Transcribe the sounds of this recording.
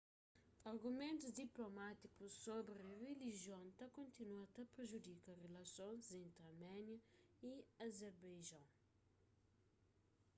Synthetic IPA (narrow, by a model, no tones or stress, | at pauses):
ɐɾɡumẽnt̪uzd̪iplomat̪ikussobɾɐreliʒiõñt̪ɐkõnt̪inuat̪ɐpɾeʒud̪ikɐrelɐsõzẽnt̪ɾɐɾmɛnjɐiɐzɛɾbajʒɐ̃w̃